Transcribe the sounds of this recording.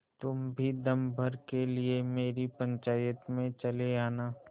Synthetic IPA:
t̪ʊmbʱid̪ɐmbʱəɾkeliemeːɾipə̃ɲt͡ʃaːjət̪mẽt͡ʃɐleaːnaː

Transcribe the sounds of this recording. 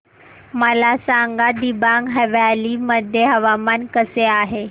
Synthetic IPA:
məlasaŋɡad̪ibaŋɡɦəʋjaliməd̪ʱjeɦɐʋamankəseaːɦe

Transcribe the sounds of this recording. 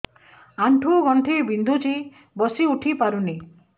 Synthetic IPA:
aɳʈʰuɡɔɳʈʰibind̪ʱut͡ʃʰi | bɔsiuʈʰipaɾuni

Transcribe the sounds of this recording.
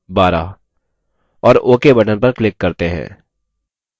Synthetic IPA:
baːɾa̰ | ɔːɾoːkebɐʈənpɐɾklɪkːɐɾt̪eɦɛ̰̃ː

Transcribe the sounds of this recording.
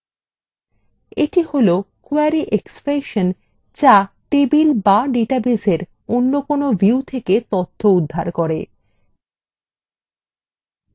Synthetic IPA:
eʈiholokuaɾiʔekspɾeʃon | d͡ʑa | ʈebilbaɖeʈabeseɾ | onːokonobʱiut̪ʰeket̪ot̪ʰːoud̪ʱːaɾkoɾe

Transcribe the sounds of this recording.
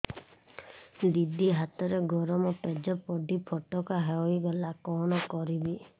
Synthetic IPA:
d̪id̪iɦat̪ɔɾeɡʱɔɾɔmɔpɛd͡ʒɔpɔɖipʰɔʈɔkaɦeɔjɡɔlakɔnɔkɔɾibi

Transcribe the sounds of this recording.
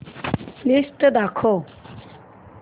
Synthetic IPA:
list̪əd̪akʰo

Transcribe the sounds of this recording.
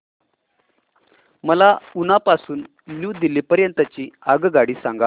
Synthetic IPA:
məlaunapasuːn | ljuːd̪iliːpəɾjənt̪ət͡ɕiːaɡɡaɽiːsaŋɡa

